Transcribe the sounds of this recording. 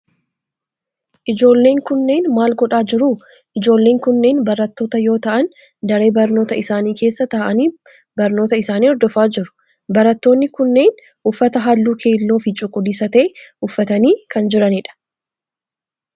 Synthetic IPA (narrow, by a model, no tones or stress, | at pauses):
ʔɪd͡ʒo̞ːlːe̞ːŋkʊnːe̞ːnmaːlɡɔᶑaːd͡ʒɪɾuː | ʔɪd͡ʒo̞ːlːeːŋkʊnːe̞ːnbɐɾɐt̪ːo̞ːt̪ɐjo̞ːt̪ɐʔɐn | d̪ɐɾe̞ːbɐɾno̞ːt̪ɐɪsaːniːke̞ːsːɐt̪aːʔɐniː | bɐɾno̞ːt̪ɐɪsaːniːɔɾd̪ɔfaːd͡ʒɪɾʊ̥ | bɐɾɐt̪ːo̞ːnːɪkʊnːe̞ːn | ʔʊfːɐt̪ɐɦalːuːkʰe̞ːɪlːo̞ːfɪt͡ʃʼʊkʼːʊd̪isɐt̪ɐʔɛʊfːɐt̪ɐniːkɐnd͡ʒɪɾɐnɪᶑɐ̥